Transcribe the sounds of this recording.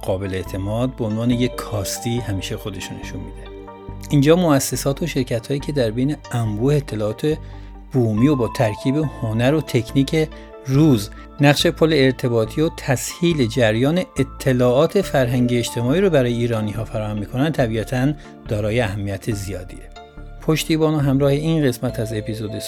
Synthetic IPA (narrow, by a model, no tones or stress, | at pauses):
ɡ̥ɒːbe̞leet̪ʰe̞mɒːd̪̚beonvɒːne̞jekʰːɒːst̪iːhæmiːʃexo̞d̪e̞ʃunḛʃunmiːd̪e | ʔind͡ʒɒːmoæsːesɒːt̪ʰoʃe̞ɾcʰæt̪hɒːjiːcʰe̞d̪æɾbe̞jne̞æmbuːeːt̪ʰːe̞lɒːɒːt̪ʰe | b̥uːmiːobɒːt̪ʰæɾkʰiːbehonæɾot̪ʰe̞kʰniːcʰe | ruːz | næɣʃe̞pʰolːeːɾt̪ʰe̞bɒːt̪ʰiːot̪ʰæshiːle̞d͡ʒæɾjɒːne̞ːt̪ʰːe̞lɒːɒːt̪ʰe̞fæɾɦæŋɟieeʃt̪ʰe̞mɒːiːɾobæɾɒːjeiːɾɒːniːɦɒːfæɾɒːhæmːiːkʰo̞nænd̪̚t̪ʰæbiːæt̪ʰæn | d̪ɒːɾɒːjeæhæmːijæt̪ʰezijɒ̰ːd̪ḭe | pʰo̞ʃt̪iːbɒːnoɦæmɾɒːhe̞inɢe̞smæt̪ʰæze̞pʰizod̪e